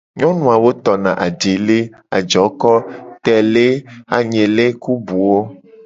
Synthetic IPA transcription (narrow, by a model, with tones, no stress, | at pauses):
ɲɔ̃˦nũ˨a˨wo˦t̪ɔ˨nã̰˨ʔa˨ɖe˨le˦ | a̰˨d͡ʒɔ˨˦kɔ˦t̪ɛ˨le˦a˨ɲẽ˨le˦ku˦bu˨wo˦